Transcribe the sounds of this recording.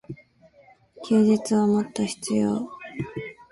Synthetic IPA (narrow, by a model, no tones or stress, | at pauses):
kʲʰuːd͡ʑit͡sɨβamot̪ːaçi̥t͡sɨjo̰ː